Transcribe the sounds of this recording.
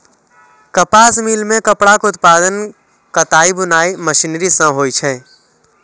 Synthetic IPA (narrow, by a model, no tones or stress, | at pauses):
kəpaːsmiːlmẽkəpɽakʊt̪paːd̪ən | kət̪aːibʊnaːiməʃiːnɾisə̃ɦoːit͡ʃʰɛː